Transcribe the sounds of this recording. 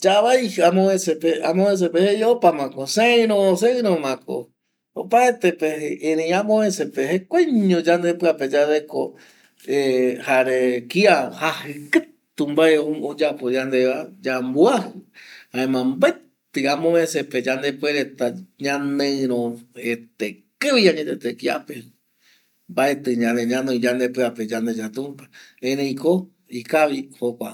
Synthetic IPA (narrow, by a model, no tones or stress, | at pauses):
d͡ʒaβajhamõẽsepeamõẽs̬epehejeopamãkoseɨ̃ɾõs̬eɨ̃ɾomãko̰ | opaet̪epeeẽɾẽj̃ãmõẽsepehekʷaɲõd͡ʒand̪epɨaped͡ʒadeko̰ | ehaɾekiahahɨkɨtt̪umbaeood͡ʒapod͡ʒand̪eβad͡ʒambuahɨhãẽmãmbae | t̪ɨamõmẽseped͡ʒand̪epweɾet̪aɲãnẽɾ̃õet̪ekɨʋijãɲet̪et̪ekia̰pe | mbaet̪ɨɲãnẽɲãnõĩd͡ʒãnd̪epɨaped͡ʒand̪ed͡ʒat̪ũmpḁẽɾẽj̃ko | ikaʋihokʷa̰